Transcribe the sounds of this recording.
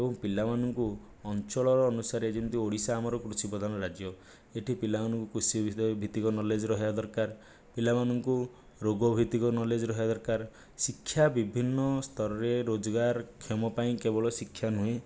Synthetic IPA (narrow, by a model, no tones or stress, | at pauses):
ebɔ̃ŋpilamanɔŋku | ɔnt͡ʃɔɭɔɾɔːnusaɾeed͡ʒɔnt̪ioɽisaːmɔɾɔkɾusibɔd̪ʱanɔɾad͡ʒjɔ | eʈʰipilamanɔŋkukɾusibʱit̪ikɔnɔled͡ʒɔɾɔɦijad̪ɔɾkaɾ | pilamanɔŋku | ɾoɡɔbʱit̪ikɔnɔled͡ʒɔɾɔɦad̪ɔɾkaɾ | sikʰːjabibʱinːɔst̪ʰɔɾɔɾeɾod͡ʒɔɡaɾkʰemɔpaĩkebɔɭɔsikʰːjanue